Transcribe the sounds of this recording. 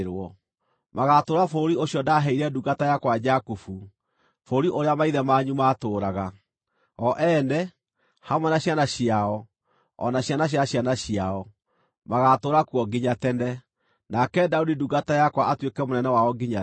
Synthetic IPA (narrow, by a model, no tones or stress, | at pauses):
ɾwɔ | maɣatoːɾafoɾioɕjɔdaɦɛiɾɛduɣatajakwad͡ʒakufu | foːɾiʔoɾeamaiðɛmaːɲumatoːɾaɣa | ɔʔɛːnɛ | hamwɛnaɕjanaɕiaɔ | ɔ̰naɕjanaɕjaɕjanaɕiaɔ | maɣatoːɾakuɔɡiɲatɛnɛ | nakɛdaudiduɡatajakwaʔatwekɛmonɛnɛwaɔɡiɲa